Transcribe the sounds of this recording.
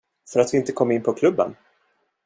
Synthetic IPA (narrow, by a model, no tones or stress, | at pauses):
fœɾat̪vɪɪnt̪əkʰɔmːɪnːpʰɔkʰlɵbːə̰n